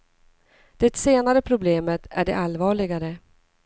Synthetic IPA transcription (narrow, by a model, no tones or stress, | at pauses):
d̪̥ɛt̪seːnaɾəpʰɾʊbleːmət̪ʰæɖɛ̰ʔalːvɑːɭɪɡaɾə